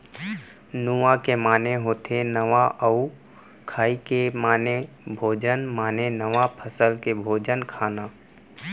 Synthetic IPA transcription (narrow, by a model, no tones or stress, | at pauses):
nuakemaːneɦoːt̪ʰenəʋaʔəu | kʰaːikemaːne | bʱoːd͡ʒənmaːnenəʋapʰəsəlkebʱoːd͡ʒənkʰaːnaː